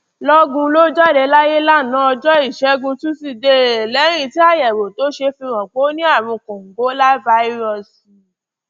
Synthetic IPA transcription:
lɔ˦ɡũ˧lo˦d͡ʒɔ˦˨ɾe˧˦la˦je˦la˦˨nã˨˦ɔ˧d͡ʒɔ˦i˦˨ʃɛ˨˦ɡũ˧tũ˦si˧de˧˨lɛ˨˦ɾ̃ĩ˧ti˦a˦˨jɛ˨ɾo˨to˨˦ʃe˧fĩ˧w̃ɔ̃˨k͡po˨˦nĩ˦a˦˨ɾ̃ɔ̃˧kũ˨ŋ̩˨ɡo˨˦la˦va˦i˦ɾɔ˦˨s

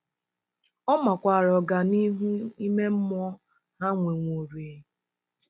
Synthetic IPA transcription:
ɔ˦ma˨kʷa˨ɾɔ˨ɡa˨ni˦ɦu˦i˦me˦m̩˦mɔ˦ | ha˦ŋʷe˨ŋʷo˨ɾe˨˦

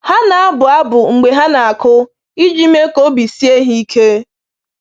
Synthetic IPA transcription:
ha˦na˨a˦bʊ˨a˦bʊ˨ŋ͡m̩˨ɡ͡be˨ɦa˦na˨a˨kʊ˦ | i˦d͡ʒi˦me˦ko˦bi˨si˦e˦ɦi˦i˦kʰe˦

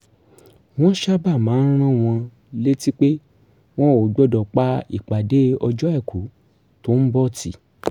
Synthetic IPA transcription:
w̃ɔ̃˦ʃa˦ba˦˨mãː˨˦n̩˦ɾ̃ã˦˨w̃ɔ̃˧ | le˦ti˦k͡pe˦ | w̃ɔ̃˦o˨ɡ͡bɔ˦dɔ˨k͡pa˦ḭ˦˨k͡pa˨de˨˦ɔ˧d͡ʒɔ˦ɛ˦˨kʰu˨˦ | to˦n̩˦bɔ˦˨ti˨

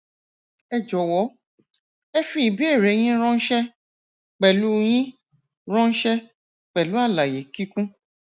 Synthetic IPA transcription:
ɛ˧d͡ʒɔ˨wɔ˨˦ | e˦fi˧˦i˨bi˦e˦˨ɾe˨˦j̃ĩ˦ɾ̃ɔ̃˦n̩˦ʃɛ˦ | k͡pɛ˨lu˦˧j̃ĩ˦ | ɾ̃ɔ̃˦n̩˦ʃɛ˦ | k͡pɛ˨lu˨˦a˦˨la˨je˨ki˦kũ˦

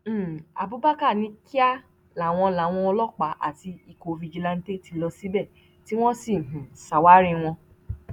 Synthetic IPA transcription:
a̰˨bu˨˦ba˦ka˦˨nĩ˨˧˦ki˦a˦ | la˨w̃ɔ̃˧la˨˦w̃ɔ̃˧ɔ˧lɔ˦k͡pa˨˦ʔa̰˦˨ti˧i˧˨ko˧vi˧d͡ʒi˧lã˧n̩˦te˦˨ti˧lɔ˧si˦bɛ˦˨ | ti˦w̃ɔ̃˦si˦˨ɦũ˨sa˨wa˦ɾĩ˧w̃ɔ̃˧

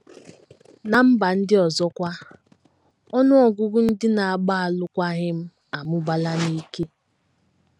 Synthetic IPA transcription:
na˨m̩˦ba˨n̩˦dɪ˦ɔ˨zɔ˦kʷa˦ | ɔ˦nʊ˦ɔ˨ɡʊ˦ɡʊ˦n̩˦dɪ˦na˨a˨ɡ͡ba˦a˨lʊ˦kʷa˦ɣɪ˦m̩˦ | a˨mʊ˦ba˨la˦ni˦ke˦

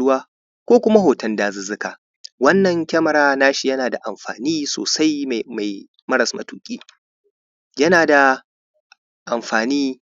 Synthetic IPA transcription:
ʊ˦waː˦ | kʷoː˦kʷʊ˦ma˦ɦoː˨tɐ˦ndaː˨zɪ˨zɪ˦ka̰˨ | wɐ˦nːɐ˨ŋkʲɐ˦mɐ˨ɾaː˦naː˦ʃi˨jɐ˦naː˨da̰˨ʔa˨mɸa̰ː˨niː˦so̰ː˨sa˦jma˨j | mɐ˦ɾɐ˨smɐ̰˨tuː˦kʲʼiː˦ | jɐ˦naː˨da˨ | ʔa̰˨mɸaː˨niː˦

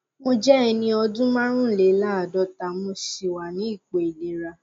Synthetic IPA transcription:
mo˧d͡ʒɛ˦ɛ˧nĩ˧ɔ˧dũ˦mã˦ɾ̃ũ˦n̩˦le˨˦la˦˨dɔ˧˦ta˧mo˧ʃi˧wa˨nĩ˨˦i˦˨k͡pe˨i˨de˨ɾa˧

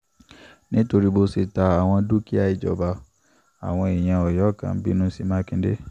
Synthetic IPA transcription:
nĩ˦to˧ɾi˦bo˧si˧ta˧a˨w̃ɔ̃˧du˦ki˦a˧i˧d͡ʒɔ̰˨ba˧ | a̰˨w̃ɔ̃˧i˨j̃ã˧ɔ˨jɔ˨˦kã̰˨˦bḭ˦nũ˦si˧˦mã˦kĩ˧˦dḛ˦

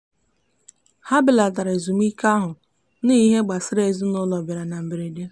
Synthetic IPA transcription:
ha˦bɪ˨la˨da˨ɾe˨zu˨m˦i˦ka˦ɦʊ˨˦ | ni˦i˦ɦe˦ɡ͡ba˨sɪ˦ɾe˨zu˦nʊ˦lɔ˨bja˨ɾa˨na˨m̩˨be˨ɾe˨de˦

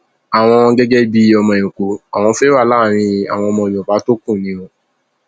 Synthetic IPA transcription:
a˨w̃ɔ̃˧ɡɛ˦ɡɛ˦bi˦ɔ˧mɔ̃˧ẽ˨ũ˨ko˨a˨w̃ɔ̃˧fe˦wa˦˨la˦˨ɾ̃ĩ˧i˧a̰˨w̃ɔ̃˧mɔ̃˧˨jɔ˨ba˨˦to˦kũ˦˨nĩ˨˦õ˧

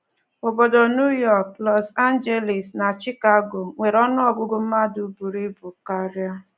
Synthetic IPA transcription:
o˨bo˨do˨nu˦jɔ˦˨k̚lɔ˨sa˦n˦d͡ʒe˦li˨sna˨t͡ʃi˦ka˦ɡo˨ŋʷe˨ɾɔ˦nɔ˦ɔ˨ɡʊ˦ɡʊ˦m̩˦ma˦du˨bu˨ɾi˦bu˨ka˦ɾja˦

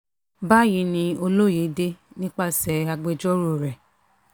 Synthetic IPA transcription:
ba˦ji˧˦nĩ˧o˧lo˦˨je˨˦de˦nĩ˦k͡pa˦sɛ˨a˧ɡ͡be˧d͡ʒɔ˦ɾo˦˨ɾɛ˨

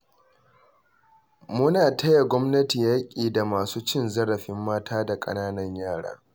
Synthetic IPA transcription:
mʊ˦naː˨tʰɐ˦ja˨ɡʷɔ˦mnɐ˦ti˨jaː˦kʲʼiː˨da˨maː˨suː˦t͡ʃɪ˦nzɐ˦ɽɐ˨ɸɪ˦mːaː˦taː˦da˨kʼɐ̰˦naː˦nɐ˦ɲjaː˦˨ɽa̰ː˦

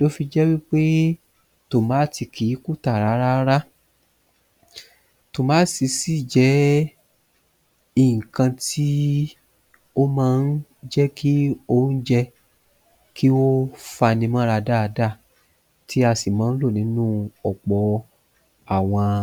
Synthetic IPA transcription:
lo˦fi˧d͡ʒɛ˦wi˦k͡pe˦ | to˨mãː˨˦ti˧˨kʰi˨˦ku˦˨ta˦˨ɾa˨˦ɾa˦ɾa˦ | to˨mãː˨˦si˧si˦˨d͡ʒɛ˨˦ | i˦˨ŋ̩˨kã˧ti˦ | o˦mãː˦˧n̩˦d͡ʒɛ˦kʰi˦o˦n̩˦d͡ʒɛ˧ | kʰi˦o˦fa˧nĩ˧mã˦˧ɾa˧da˦˨˧da˦˨ | ti˦a˧si˨mãː˨˦n̩˦lo˦˨nĩ˨˦nũ˦ɔ˨k͡pɔ˨˦ | a˨w̃ɔ̃˧

